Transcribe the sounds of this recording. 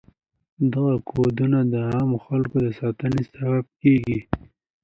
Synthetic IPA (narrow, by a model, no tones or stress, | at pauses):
d̪aɣakʰod̪unad̪əɑmoxalkod̪əsɑt̪ənesabab̚keɡi